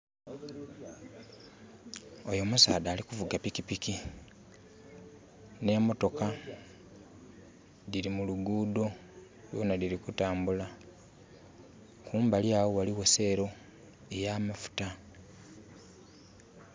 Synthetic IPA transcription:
o̞jo̞musaːdaːlikuvuɡapikipiki | ne̞mo̞to̞ka | diɾimuluɡuːdo̞ | lo̰ːnadiɾikutaːmbula | kuːmbaljaːwowaliwese̞ːɾo̞ | e̞jaːmafu̥ta

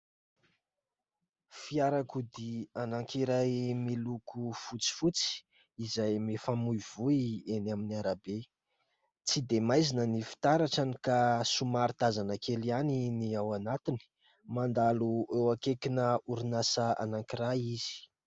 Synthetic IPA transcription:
fiaɾakud̪ianaŋkiɾajmilukufut͡si̥fut͡si̥ | izajmefamujv̥uienaminiaɾabe | t͡sid̪emajzinənifi̥t̪aɾaʈ͡ʂanikasumaɾit̪azanəkʰelianiniawanat̪ini̥ | mand̪aluʔewakekinəuɾinasəa̰naŋkiɾajiz̥i̥

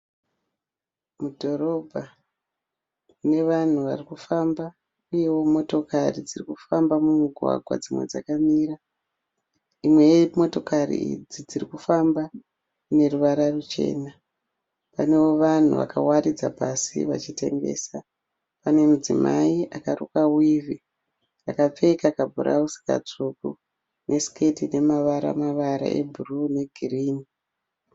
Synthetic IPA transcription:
mudʱo̞ɾo̞bʱa | ne̞ʋan̤uʋarikufamba | uje̞wo̞mo̞to̞karid͡zirikufambamuŋuɡʱwa̰ɡʱwa̰d͡zimwe̞̰d͡za̰kamiːra | imwe̞mo̞to̞karḭḭd͡zid͡zirikufamba | ne̞ruʋaɾarut͡ʃe̞̰ːna | pane̞wo̞ʋan̤ṵʋa̰kawarid͡zapasḭʋa̰t͡ʃite̞̰ŋɡe̞̰ːsa | pane̞mud͡zima̰iʔakaɾṵkawivʱi | akap͡fe̞kakabʱuɾʔa̰usi̥ka̰t͡suku | nʔe̞sketine̞maʋaɾa̰maʋaɾa̰ʔḛbʱurune̞ɡʱiriːni

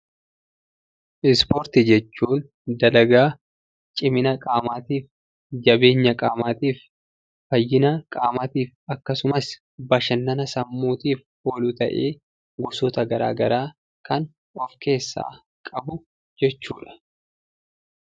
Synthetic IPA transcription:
ʔɪspɔɾt̪ɪd͡ʒɛt͡ʃːuːn | d̪ɐlɐɡaː | t͡ʃʼɪmɪnɐkʼaːmaːt̪iːf | d͡ʒɐbe̞ːɲːɐkʼaːmaːt̪iːf | fɐjːɪnɐkʼaːmaːt̪iːfɐkːɐsʊmɐs | bɐʃɐnːɐnɐsɐmːuːt̪iːf | oːlut̪ɐ̰ʔeː | ɡʊsɔt̪ɐɡɐɾa̰ːɡɐɾaː | kɐn | ɔfke̞ːsːa̰ː | kʼɐbʊ | d͡ʒɛt͡ʃːuːᶑɐ̥

